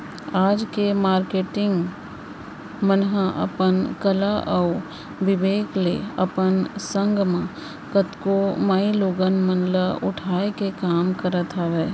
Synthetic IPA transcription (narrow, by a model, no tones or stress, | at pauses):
aːd͡ʒkemaːɾkeːʈɪ̃ŋɡ | mənɦəʔɐ̰pənkəlaʔɔʊ | ʋɪbeːkleəpənsə̃ŋɡmã | kət̪komaːiloːɡənmənləʊʈʰaːekekaːmkəɾət̪ɦaʋɛː